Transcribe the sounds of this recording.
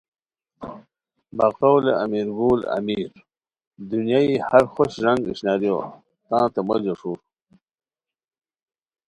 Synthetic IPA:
baqawleamiɾɡuːla̰miːɾ | d̪unjaːihaɾxoɕʐaŋɡiɕnaːɾjo̰ | t̪ãːt̪emɐd͡ʑɐʂuːɾ

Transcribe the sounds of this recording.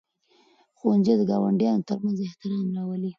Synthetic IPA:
xoanzed̪əɡɑwa̰ɳɖjɑnot̪əɾmanzɪht̪ɪɾɑmɾɑwəli

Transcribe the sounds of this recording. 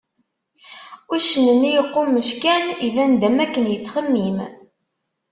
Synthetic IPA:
uʃənənijəqːumːəʃkænivænd̪æmækːənjət͡sːχəmːim

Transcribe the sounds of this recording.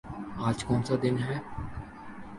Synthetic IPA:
aːd͡ʒkɔːnsad̪ɪnɦɛː

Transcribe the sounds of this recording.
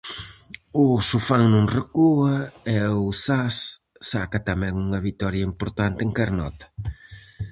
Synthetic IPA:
ʊsufaŋnũŋrekuɐɛʊsasː | akɐt̪amɛ̃ŋuŋɐβit̪ɔɾjɐimpoɾt̪ant̪ɪeŋkɛɾnɔt̪ɐ̥

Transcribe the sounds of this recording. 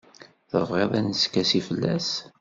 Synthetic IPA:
θəvʁeðˤænəskːæsifəlːæ̰s

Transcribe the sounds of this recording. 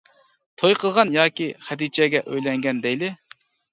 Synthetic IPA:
t̪ʰojqʰəlˠʁɑnjɑːkʲiχæd̪it͡ʃʰɛɡʲɛʔøjlɛŋɡʲɛnd̪ɛjlɪ

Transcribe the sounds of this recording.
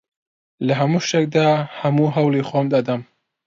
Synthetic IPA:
lɐɦɐmuʃek̚d̪aːhɐmuːɦɐwlixomd̪ad̪ɐm

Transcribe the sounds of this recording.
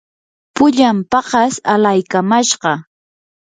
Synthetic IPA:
pʊʎampɑɢɑsalajkamaʃɢɑ

